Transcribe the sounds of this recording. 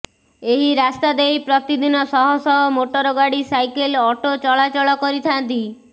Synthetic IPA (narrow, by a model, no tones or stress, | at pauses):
eɦiɾast̪ad̪ejpɾɔt̪id̪ʱinɔsɔɦɔsɔɦɔmoʈɔɾɔɡaɽisajkelɔʈot͡ʃɔlat͡ʃɔɭɔkɔɾit̪ʰant̪i